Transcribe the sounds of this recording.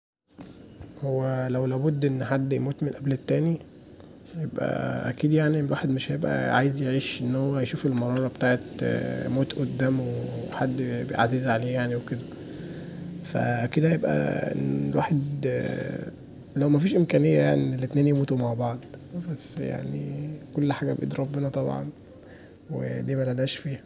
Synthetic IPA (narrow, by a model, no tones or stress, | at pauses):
howːælæwlæːbod̪ːʔenːħad̪ːjemuːt̪menʔæblet̪ːæːni | jebʔæ̰ʔæ̰kiːd̪jaʕnilwaːħed̪meʃhæjebʔæ̰ʕa̰jezjeʕiːʃʔenːhowːæjʃuːfelmɑɾˤɑːɾˤɑbt̪aːʕet̪moːt̪ʔod̪ːæːmweħad̪ːbḛʕaziːzʕaleːjaʕniweked̪æ | fæ̰ked̪æjebʔæ̰ʔḛnlwa̰ːħed̪ | læwmæfiːʃʔemkæːnejːæjaʕnilːet̪næːnjemuːt̪umaʕbɑʕd̪ˤbæsːja̰ʕnikolːħaːɡæbʔḛd̪ɾˤɑbbenɑt̪ˤɑbʕɑ̰n | wḛd̪iːmælælæːʃfiːhæ